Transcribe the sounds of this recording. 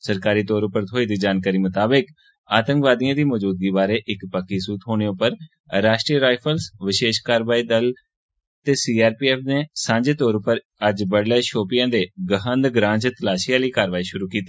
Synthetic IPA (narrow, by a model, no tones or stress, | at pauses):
səɾkaːɾiːt̪oːɾʊpəɾt̪ʰoːiːd̪iːd͡ʒaːnkaːɾiːmət̪aːbək | aːt̪ə̃ŋkʋaːd̪ijãːd̪iːmɔːd͡ʒuːd̪̚ɡiːbaːɾeːʔɪkpəkːiːsuːt̪ɦoːñeːʊpəɾ | ɾaːʃʈɾiːəɾaːipʰəlsʋɪʃeːʃkaːɾʋaːiːd̪əl | t̪eːsiːaːɾpiːɛːpʰneːsãːɲd͡ʒeːt̪oːɾʊpəɾ | əd͡ʒbəɽleːʃoːpɪjãːd̪eːɡəɦənd̪ɡɾãːt͡ʃt̪əlaːʃɪjãːləiːkaːɾʋaːiːʃʊɾuːkiːt̪iː